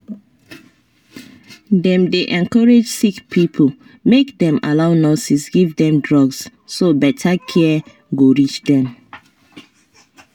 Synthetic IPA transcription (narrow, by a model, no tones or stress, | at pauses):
dɛ̃mdeʔɛ̃nkɔɹed͡ʒsikpʰipʰo | mekdɛ̃ma̰laʊnɔsisɡivdɛ̃mdɹɔɡs | sobɛtʰakʰɛ | ɡoɹit͡ʃdɛ̃m